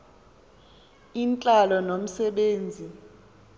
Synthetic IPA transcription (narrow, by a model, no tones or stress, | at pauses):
int͡ɬʼalɔnom̩sɛɓeːnd͡zʱi